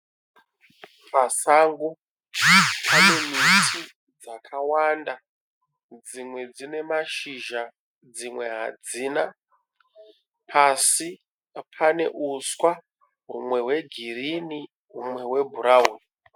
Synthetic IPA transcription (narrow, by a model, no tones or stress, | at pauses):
pasaŋɡu | pʰane̞mitʰi | d͡zakʰawanda | d͡zimwe̞d͡zine̞maʃiʒa | d͡zimwe̞ɦa̰d͡ziːna | pʰasi | pʰane̞ʔuswa | ɦumwe̞ɦwe̞ɡʱirini | ɦumwe̞we̞bʱuɾaɦuni